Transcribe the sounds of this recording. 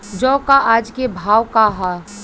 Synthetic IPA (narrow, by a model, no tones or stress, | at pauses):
d͡ʒɔːkaʔaːd͡ʒkebʱaːwkaɦa